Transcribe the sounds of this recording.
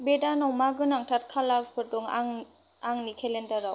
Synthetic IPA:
bedanɔwmaɡɯnaŋtʰat̚kʰalapʰɯtɔŋŋ | aŋnikʰelendaɾaw

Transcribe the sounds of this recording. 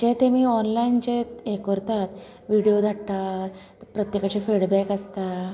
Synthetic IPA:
d͡ʑẽt̪emiːɔnlaint͡ɕeekɔɾt̪at̪ | ʋiɽijod̪ʱaɽʈ̪a | pɾət̪jekat͡ɕefiɽbɛkəst̪a

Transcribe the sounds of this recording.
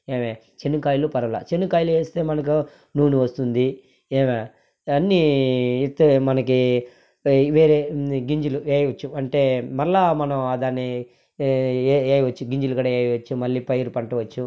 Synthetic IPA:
eːme | t͡ʃenːukaːjilupɐɾɐmlɐ̰t͡ʃenːukaːjilueːst̪e̞ːmɐnɐk̬u | nuːnuʋɐst̪und̪i | eːma | ɐnːiit̪ːɐmɐnɐki | ʋeːɾeːɡiɲd͡ʒulueːjʋɐt͡ʃːuɐɳʈe̞ːmɐɭːaːmɐnɐmad̪aːnːi | eːjiʋɐt͡ʃːuɡiɲd͡ʒulukaːɽaeːjʋɐt͡ʃːumɐlːiːpɐjɐɾupɐɳʈɐʋɐt͡ʃːu

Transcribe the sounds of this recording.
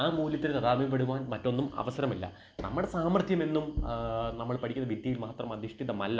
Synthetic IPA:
aːmuːljɐt̪ːilet̪ɐðaːmip̬ːeɽuʋaːnmɐtːo̞nːumɐ̰ʋɐsɐɾɐmilːɐ̰ | nʔɐ̰mːɐɽe̞saːmɐrt̪ʰjɐme̞nːumnɐmːɐɭpɐʈikʲːunːɐʋitːijilmaːt̪rɐmɐd̪ʱiʂʈʰiðɐmɐlːɐ

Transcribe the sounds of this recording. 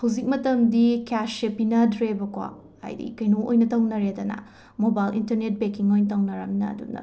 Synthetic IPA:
hɐwzik̚mɐtɐmdikasepinɐdɾebɐkwa̰ | a̰jdḭkɐjnoojnɐtɐwnɐɾedɐnɐ̰ | mobajlḭntɐɾnet̚bekiŋojnɐtʰɐwnɐɾa̰minɐ̰dṵnɐ̰

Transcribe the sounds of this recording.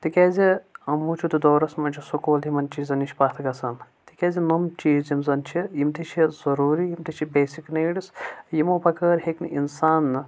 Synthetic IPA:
t̪ikʲɛːziɐmuːt͡ʃʰut̪ud̪oːɾɐsmɐnʲt͡ʃʰisukoːlimɐnt͡ʃiːzɐnit͡ʃʰʲpɐt̪ʰɡɐsɐn | t̪ikʲɐːzinɐmt͡ʃiːzimzɐnt͡ʃʰijimt̪it͡ʃʰizɐɾuːɾijimt̪ʰit͡ʃʰibeːsiknɐːɖisjimoːpɐkɐːɾɦeknɨʔinsaːnːɨ

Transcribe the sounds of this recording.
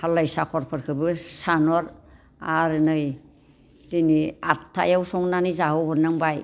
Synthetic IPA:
halajsakʰɔɾpʰɯɾkʰɯbɯsanɔɾ | aɾɯnɯj | tiniatʰːa̰jawsɔŋnanizaɦɔbɯɾnɯŋbaj

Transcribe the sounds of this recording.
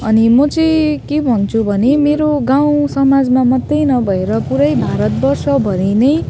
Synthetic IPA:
ʌnimʌt͡sʌjkebʱʌnt͡sʰubʱʌnemeɾoɡaw̃sʌmad͡zmamʌt̪ːʌjnʌbʱʌeɾʌpuɾʌjbʱaɾʌt̪̚bʌrsʌbʱʌɾinʌj

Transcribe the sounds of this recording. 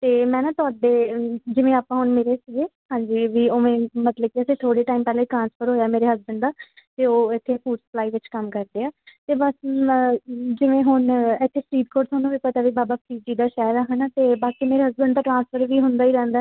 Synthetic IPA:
t̪eːmɛ̃ːnãːt̪ʊaːɖeːd͡ʒɪʋẽːaːpãːɦʊɳmeːɾeːsɪɡeːhãːɲd͡ʒiːʋiːoːmẽːmət̪ləb̚kiəsẽːt̪ʰoːɽeːʈaːiːmpɛːleːʈɾãːnspʰəɾɦoːjaːmeːɾeːɦəzbəɳɖ̪d̪aːt̪eːoːɪt̪ʰːeːpʰuːɖsə̥plaːiːʋɪt͡ʃkəmkəɾd̪eːaːt̪eːbəs | d͡ʒɪʋẽːɦʊnɪt̪ʰːeːpʰɾiːd̪̚koːɾt̪ʰwaːnũːʋiːpət̪aːʋiːbaːbaːpʰɾiːd͡ʒiːd̪aːʃaːɾaːɦənaːt̪eːbaːkiːmeːɾeːɦəzbənd̪̚aːʈɾãːnspʰəɾʋiːɦʊnd̪aːiːɾɛ̃ːnd̪a

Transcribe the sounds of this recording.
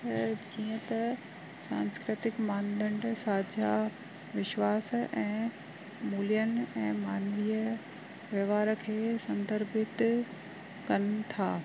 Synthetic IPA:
d͡ʑiːə̃t̪ɐ | sãːnskɾɪt̪ɪkmãːnd̪ə̃ɳɖsaːd͡ʑʱa | ʋɪʃʋaːsʔɛ̃ː | muːlijənɛ̃ːmaːnʋiːə | ʋjɐʋaːɾəkʰeːsɐ̃nd̪ʱəɾbɪt̪ | kɐnt̪ʰaː

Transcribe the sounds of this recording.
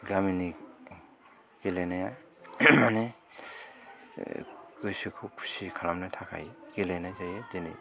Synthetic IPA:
ɡamini | ɡ̥elejnaja | mane | kɯjsikʰupʰu̥sikʰalamnajtʰakʰa̰jɡelejnajzajedena̰j

